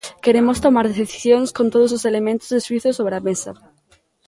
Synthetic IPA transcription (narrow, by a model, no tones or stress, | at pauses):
keɾemost̪omaɾðeθiθi̥sjoŋskõnt̪oð̞ʊs̬oselemẽnt̪ʊzðeswiθosoβɾeamesɐ